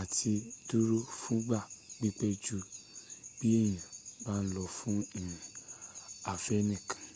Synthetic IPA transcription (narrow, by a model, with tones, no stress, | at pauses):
a˨ti˧du˦ɾo˦fũ˦ɡ͡ba˦˨ɡ͡bi˦k͡pɛ˦d͡ʒu˦ | b̥i˦e˦˨j̃ã˨ba˦n̩˦lɔ˧fũ˦i˦˨ĩ˨ | a˨fɛ˦nĩ˦˨kḁ̃˨